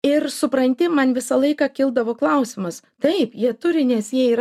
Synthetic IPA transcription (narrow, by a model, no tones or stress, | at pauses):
ɪrsʊpɾɐnʲt̪ʲɪmɐnʋʲɪsɐlˠɐɪkɑːkʲɪlˠd̪ɐʋoːklˠɐʊsʲɪmɐs | t̪ɐɪpjiɛt̪ʊɾʲɪnʲɛsjiɛiː